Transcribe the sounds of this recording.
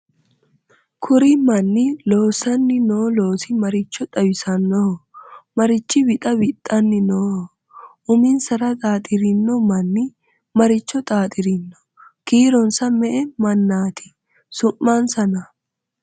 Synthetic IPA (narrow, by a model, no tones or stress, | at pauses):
kʰʊɾɪmɐnːɪlo̞ːsɐnːɪnoːloːsɪmɐɾɪt͡ʃːɔt̪ʼɐwɪsɐnːɔ | mɐɾɪt͡ʃːɪbɪt̪ʼɐbɪt̪ʼːɐnːɪnoː | ʔʊmɪnsɐɾɐt̪ʼaːt̪ʼɪɾɪnːɔmɐnːɪ | mɐɾɪt͡ʃːɔt̪ʼaːt̪ʼɪɾɪnːɔ̥ | kiːɾɔnsɐmɛʔɛmɐnːaːt̪ʰɪ̥ | sʊmːɐnsɐnɐ